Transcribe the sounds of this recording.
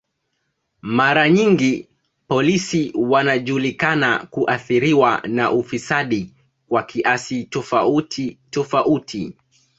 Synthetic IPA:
maɾaɲiŋɡi | pɔlisiwanaʄulikana̰kuʔaθiɾiwana̰ʔufisaɗi | kwakʰiʔasitɔfautitɔfaʔutʰi

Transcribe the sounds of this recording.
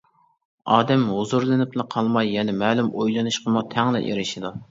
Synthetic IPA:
ɑːd̪ɛmɦozuɾlˠɨnɪpnɨqʰɑlˠmɑjːɛnɛmɛːlˠumojlˠɨnɨʃqʰəmut̪ʰɛŋlɪ̰ʔḛɾɪʃid̪u

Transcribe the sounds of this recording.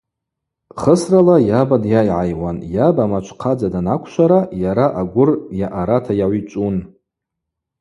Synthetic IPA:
χəsralajabadjajʕajwanjabamat͡ʃʷʰqʰad͡zadanakʷʰʃʷaɾajaɾaʔaɡʷʊrjaʔaɾatʰajaʕʷit͡ʃʷʼun

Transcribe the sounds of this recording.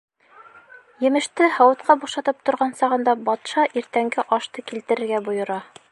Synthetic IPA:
jɘ̆mɘ̆ʃt̪ɘhɒwɤ̆t̪qɑbuʃɑt̪ɤp̚t̪ŏɾʁɑnsɑʁɤ̆nd̪ɑbɒt̪ʃɑʔiɾt̪æŋɡɘʔɒʃt̪ɤkilt̪ɘ̆ɾɘ̆ɾɡæbujɤ̆ɾɑ

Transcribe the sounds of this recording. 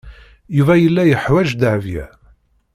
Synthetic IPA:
juvæjəlːæjəħwæʒd̪əʕvjæ̰

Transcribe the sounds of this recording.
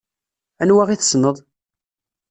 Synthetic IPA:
ænwaʁiθə̥snəðˤ

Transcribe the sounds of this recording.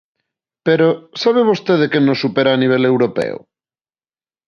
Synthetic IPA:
peɾosaβ̞eβost̪eðekenosupeɾaːniβ̞elewɾopḛo̰

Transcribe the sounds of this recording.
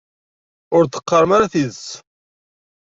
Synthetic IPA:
ʊɾθə̥qːɑɾˤəmaɾaθiðs

